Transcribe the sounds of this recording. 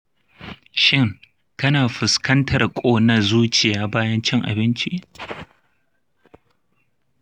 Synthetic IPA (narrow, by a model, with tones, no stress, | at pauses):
ʃɪ˦ŋ | kɐ˦naː˨ɸɪ˨skɐ˦ntʰɐ˨rkʷʼoː˦nɐ˦zuː˦t͡ʃɪ˨jaː˦baː˦jɐ˦nt͡ʃɪ˦ŋʔa̰˨bɪ˦nt͡ʃi˦ʔ